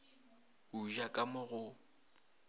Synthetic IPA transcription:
uʒakʼamʊɣʊ

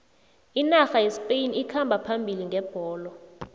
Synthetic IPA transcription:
inaxajisi̥pʼejnikʰambʱapʰambʱiliŋɡʱɛb̥ʱɔːlɔ

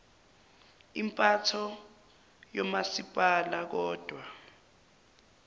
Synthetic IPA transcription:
impʼatʰɔ | jɔmasipʼalak̬ɔːd̥ʱwa

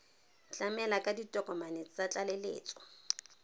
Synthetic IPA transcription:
t͡ɬʼamɛlakʼaditʼɔkʼɔmanet͡sʼt͡sat͡ɬʼalelḛːt͡sʼɔ̥

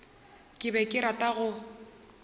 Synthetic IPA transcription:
kʼɪbɛkʼɪɾatʼaɣʊ

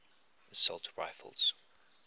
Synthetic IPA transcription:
əsɔ̰lˠtʰɹa̰ɪfə̰lˠz̥

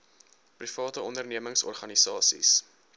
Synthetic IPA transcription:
prifɑːtəɔndərniəməŋsɔ̰rχɐnisɑːsḭs

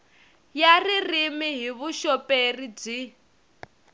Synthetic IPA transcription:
jaririmiɦiβuʃɔperib͡ʐi

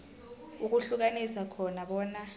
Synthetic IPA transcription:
uk̬uɬuk̬anisakʰɔnaɓɔːna

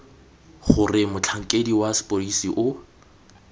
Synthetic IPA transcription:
χʊrɪmʊt͡ɬʰaŋ̩kʼediwasɪ̥pʼolisiʔʊ

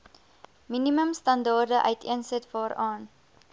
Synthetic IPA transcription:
miniməmstɐndɑːrdəʔœ̰ɥtiənsətvɑːɾɑːn

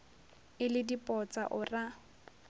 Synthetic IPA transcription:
ɪlɪdipʼɔt͡sʼa̰ʔʊra

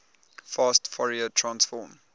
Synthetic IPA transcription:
fɑstfɔɹiətʰɹãnsfɔːm

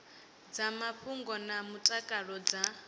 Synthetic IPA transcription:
d͡zamaɸuŋɡɔnamutʼakʼaɺɔd͡za

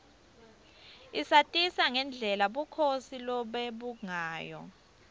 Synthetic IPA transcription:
isatʼisaŋɛnd͡ɮʱɛlaɓukʰosilɔɓeɓuŋaːjɔ̰

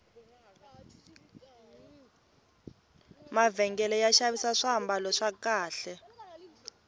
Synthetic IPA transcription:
mavɛŋɡɛlɛjaʃaβisaʂambalɔʂakaːɬɛ

